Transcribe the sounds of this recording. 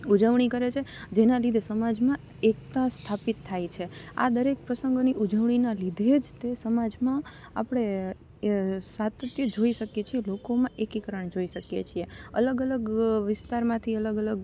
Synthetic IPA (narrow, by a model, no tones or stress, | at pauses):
ud͡ʒəʋɳ̃ikəɾet͡ʃʰed͡ʒenalid̪ʱesəmad͡ʒmã | ekt̪ast̪ʰapit̪ʰːajt͡ʃʰea̰d̪əɾek̚pɾəsə̃ŋɡoniʔud͡ʒəʋɳinalid̪ʱed͡ʒt̪esəmad͡ʒmã | a̰pɽ̃e | sat̪ət̪jəd͡ʒoiʃəkjet͡ʃʰielokomãʔekikəɾəɳd͡ʒoiʃəkjḛt͡ʃʰieə̰ləɡələɡʋɪst̪aɾmãt̪ʰiələɡələɡ